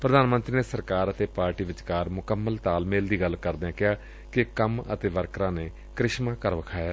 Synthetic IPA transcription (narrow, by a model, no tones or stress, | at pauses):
pɾəd̪aːnmə̃nt̪ɾiːneːsəɾkaːɾət̪eːpaːɾʈiːʋɪt͡ʃkaːɾmʊkəmːəlt̪aːlmeːld̪iːɡəlkəɾd̪eːãːkɪɦaː | kɪkəmə̰t̪eːʋəɾkɾãːneː | kɾɪʃmãːkəɾʋəkʰaːjaː